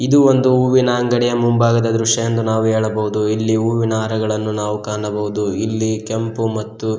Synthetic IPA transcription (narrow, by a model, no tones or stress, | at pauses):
id̪uʋond̪uuːʋinɐɐŋɡɐɽijɐmumbaːɡɐd̪ɐd̪ɾuʂɐjend̪unaːʋuɦeːɭɐbɐɦud̪uilːiuːʋinaːɾɐɡɐɭɐnːunaːʋukaːɳɐbɐɦud̪uilːike̞mpumɐt̪ːu